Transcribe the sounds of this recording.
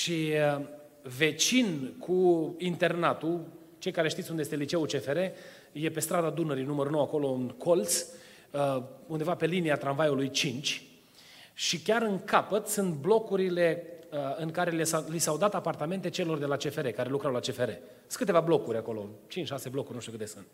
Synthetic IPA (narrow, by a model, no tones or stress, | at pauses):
ʃi | ve̞t͡ʃinkʰuint̪e̞rnat̪u | t͡ʃe̞jkaɾe̞ʃt̪it̪ʲund̪ejet̪elit͡ʃe̞ut͡ʃe̞fe̞ɾe̞ | je̞pe̞st̪ɾad̪ad̪unəɾinuməɾuno̞wako̞lo̞ɨnkʰolt̪s | und̪evape̞liniat̪ɾanvajulujt͡ʃint͡ʃʲ | ʃikʲaɾɨŋkapət̪sɨnt̪blo̞kuɾile̞ɨŋkaɾe̞lslisawd̪at̪apart̪ame̞nt̪et͡ʃe̞lo̞rd̪e̞lat͡ʃe̞fe̞ɾe̞kaɾe̞lukɾawlat͡ʃe̞fe̞ɾe̞ | kɨt̪e̞vablo̞kuɾʲako̞lo̰t͡ʃint͡ʃʃase̞blo̞kurʲnuʃt̪ukɨt̪esɨnt̪